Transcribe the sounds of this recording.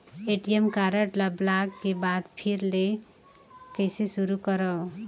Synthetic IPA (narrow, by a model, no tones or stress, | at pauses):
eʈijemkaɾeʈlablaɡkebad̪pʰiɾle | kʌjsesuɾukʌɾʌ